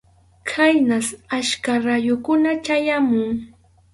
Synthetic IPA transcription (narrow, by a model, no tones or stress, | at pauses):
kʰajnasaʃkaɾajʊkʊnat͡ʃajamʊŋ